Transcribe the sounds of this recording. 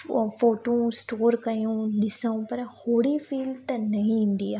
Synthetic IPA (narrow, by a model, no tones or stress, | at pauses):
foːʈõsʈoːɾkɐjũɗɪsəũpɐɾhoːɽifiːlt̪ɐnɐɦĩĩːn̆d̪iaː